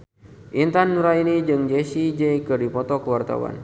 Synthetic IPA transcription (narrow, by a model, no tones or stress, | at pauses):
ʔint̪anːuɾainid͡ʒɨŋd͡ʒesid͡ʒɛikɨrdipɔt̪ɔkəwart̪a̰wa̰n